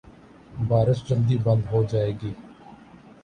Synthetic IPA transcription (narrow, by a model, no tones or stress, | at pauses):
baːɾəsd͡ʒəld̪iːbə̃nd̪ɦoːd͡ʒaːeːɡiː